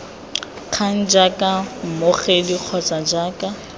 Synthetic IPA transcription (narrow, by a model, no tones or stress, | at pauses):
q͡χʰan̩d͡ʒakʼam̩moχediq͡χʰɔt͡sʼad͡ʒaːkʼa